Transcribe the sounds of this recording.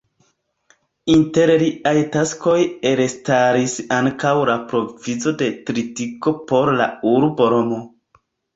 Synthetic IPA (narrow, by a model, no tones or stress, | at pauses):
inte̞ɾɾiʔajtasko̞jeɾestaɾisaŋkawlapɾo̞vizo̞de̞tɾitiko̞po̞ɾla̰uɾboɾomo